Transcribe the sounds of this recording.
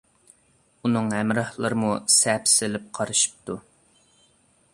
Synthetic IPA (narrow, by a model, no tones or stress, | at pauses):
unɨŋɦɛmɾɑhlˠɑɾɨmusɛpsɪlɪp̚qʰɑɾɨʃi̥p̚t̪u